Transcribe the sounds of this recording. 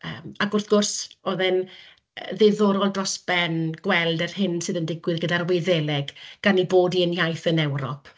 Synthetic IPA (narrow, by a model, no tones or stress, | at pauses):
ə̰ːmaɡʊrθɡ̥ʊrsoðɛn | ðeðʊɾɔlˠdrɔsb̥ɛnɡ̥wɛlˠdərhɪnsɨðəndɪɡwɨðɡədarweðɛlɛɡɡ̥aniboːdiənjajθənɛwɾɔ̰pʰ